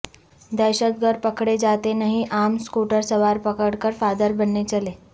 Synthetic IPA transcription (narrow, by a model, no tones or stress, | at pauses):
d̪ɛjɕət̪̚ɡʱəɾpəkɽed͡zat̪enaɦiʔamskuʈəɾsəʋaɾpəkəɽkəɾfad̪əɾbənːet͡ɕəle